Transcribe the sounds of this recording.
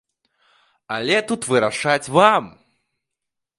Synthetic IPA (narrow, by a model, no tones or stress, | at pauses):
alʲɛt̪ut̪vɨɾaʂat͡sʲvam